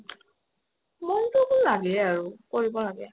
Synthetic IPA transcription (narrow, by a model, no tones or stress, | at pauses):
mɔntobʊlaɡɛaɹukoɹibɔlaɡɛ